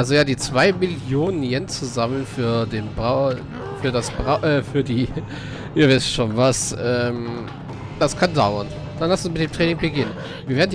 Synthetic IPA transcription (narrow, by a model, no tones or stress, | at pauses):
ʔalzojaːdiːt͡sv̥aɪmɪljoːnənjɛnt͡suzamlənfyːɐdeːnbʁa | fyːɐdasb̥ʁaʔɛːfyːɐdiː | ʔiːɐvaɪstʃoːnvasʔɛːm | d̥askʰandaʊɐn | d̥anlastusmɪtd̥eːmtʁ̥ɛːnɪŋbəɡɪnən | viːɐveːɐdn̩